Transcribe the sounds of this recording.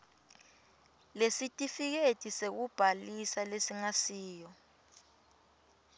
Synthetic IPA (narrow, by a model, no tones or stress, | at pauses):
lesitʼifik̬etʼisek̬ub̥ʱalisalesiŋasiːjɔ